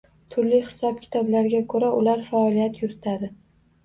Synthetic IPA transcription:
t̪ʰʊɾlɪhɪ̥sɒp̚kʲʰɪ̥t̪ʰɒblaɾɡʲakʰɵɾaʔʊlaɾfaɒlijat̪ʰjʊɾɪt̪ʰad̪ɪ

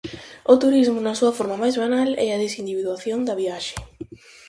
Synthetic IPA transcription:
ʊt̪uɾizmʊnɐsuɐfoɾmɐmajzβanalɛ̰ɐðesind̪iβiðwaθjond̪ɐβiaʃe̥

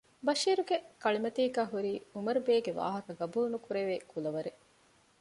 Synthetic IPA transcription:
bɐʃiːɾuɡekɐɭimɐt̪iːɡæːɦuɾiːumɐɾubeːɡeʋa̰ːɦɐkɐɡɐbuːlnukuɾeʋeːkulɐʋɐɾe

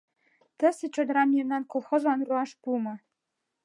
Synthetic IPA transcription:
t̪ə̆sɘ̆t͡ɕod̪ɤ̆ɾɑmjemnɑnkolˠxozlɑnruɑʃpumɤ̆

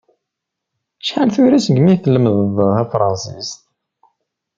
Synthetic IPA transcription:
ʃħanθuɾæsəɡmiθəlːəmððæfɾˤɑnsist̪

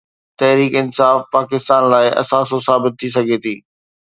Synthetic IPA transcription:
t̪ɐɦɾiːkɪnsaːfpaːkɪst̪aːnlaːɪʔɐ̰saːs̬osaːbɪt̪ʰːis̬ɐɡʱet̪ʰiː

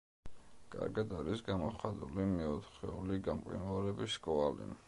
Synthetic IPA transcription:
kʼa̰ɾɡad̪aɾisɡamɔχad̪ulimɛɔt̪χɛ̰uliɡamqʼḭnuaɾɛbiskʼɔalḭ

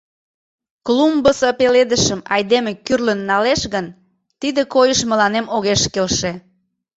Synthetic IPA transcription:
klumbəsəpeled̪əʃəmɑjd̪emekyrlənːɑleʃɣən | t̪id̪ekojəʃmə̆lɑnemoɣeʃkelʃe

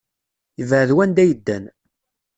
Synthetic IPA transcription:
jəvʕəðwænd̪æjəd̪ːæn

